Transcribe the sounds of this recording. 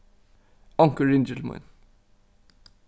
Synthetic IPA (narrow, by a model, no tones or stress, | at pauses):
ɔŋkəɹɪnd͡ʒəlmʊ̰n